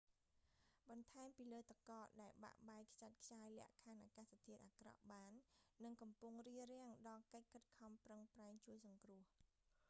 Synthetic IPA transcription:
ɓɑnt̪ʰaɛmpiːləːt̪akɑːɗaɛlɓa̰ʔɓaɛkʰt͡ɕat̪̚kʰt͡ɕaːəjlɛ̆əʔkʰanʔaːkaːst̪ʰiət̪̚ʔaːkrɑ̰ʔɓaːnːɨŋkɑmpuŋriərɛ̆əŋɗɑːlkəc̚kʰɨt̪̚kʰɑmprəŋpraɛŋt͡ɕuəjsɑŋkrʊ̆əh

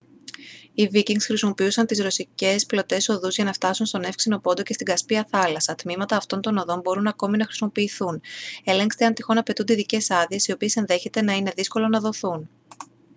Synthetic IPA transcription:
iviciŋɡsxɾisimo̞piusɐnt̪izɾo̞sice̞splo̞t̪e̞so̞ðuzʝɐnɐft̪ɐsunst̪o̞ne̞fksino̞po̞nd̪oce̞st̪iɡɐspiɐθɐlɐsɐt̪mimɐt̪ɐːft̪o̞nt̪o̞no̞ðo̞mbo̞ɾunɐko̞minɐxɾisimo̞piːθune̞le̞ŋkst̪e̞ɐnt̪ixo̞nɐpe̞t̪und̪iðice̞sɐðie̞sio̞pie̞se̞nðe̞çe̞t̪e̞nɐine̞ðisko̞lo̞nɐðo̞θun

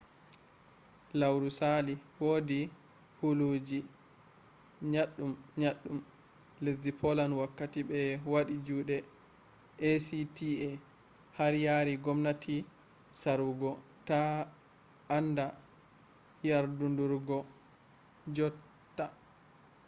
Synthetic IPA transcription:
lawɾusaliwoːdi | hulud͡ʒi | ɲaɗːumɲaɗːum | lesdipʰɔlanwakːatibɛwaɗid͡ʒuːɗɛ | ʔesitiɛ | haɾjaɾiɡɔmnatʰi | saɾuɡɔta | nda | jaɾdunduɾɡɔ | d͡ʒɔ | tːa

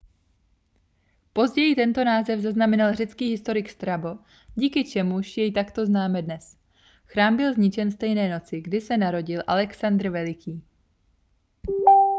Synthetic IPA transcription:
po̞zɟɛjɪt̪ɛnt̪o̞naːzɛvzaznamɛnalrɛt͡skiːɦɪst̪o̞ɾɪkst̪ɾabo̞ | ɟiːkɪt͡ʃɛmuʃjɛjt̪akt̪o̞znaːmɛdnɛs | xɾaːmbɪlzɲɪt͡ʃɛnfst̪ɛjnɛːno̞t͡sɪɡdɪsɛnaɾo̞ɟɪlʔalɛksand̪ɾ̩vɛlɪkʰiː

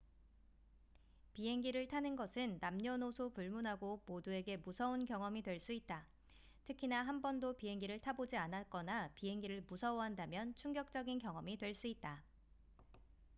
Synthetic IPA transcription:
piɦe̞ŋɡiɾɯɭtʰanɯnɡʌsʰɯnːamɲʌnosʰopuɭmunɦaɡomodue̞ɡe̞musʰʌunkjʌŋʌmidwe̞ɭs͈uit̚t͈a | tʰɯkʰinaɦambʌndopiɦe̞ŋɡiɾɯɭtʰabod͡ʑianak͈ʌnapiɦe̞ŋɡiɾɯɭmusʰʌwʌɦandamjʌnt͡ɕʰuŋɡjʌk̚t͡ɕ͈ʌɡinkjʌŋʌmitwe̞ɭs͈uit̚t͈a

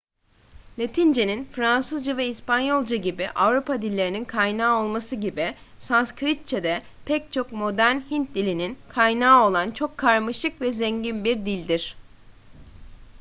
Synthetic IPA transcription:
lʲet̪ʰind͡ʒeninfɾansɯzd͡ʒavɛispanjo̞lˠd͡ʒaɟibiʔavɾupad̪ilʲːe̞ɾininkʰajnaːo̞lˠmasɯɟibi | sanskɾit̪̚t͡ʃʰed̪ɛ | pʰɛc̚t͡ʃʰo̞kmo̞d̪æɾnhint̪̚d̪ilʲininkʰajnaːo̞lˠant͡ʃʰo̞kʰːaɾmɯʃɯkvɛzɛɲɟinbiɾd̪ilʲd̪iɾ̥

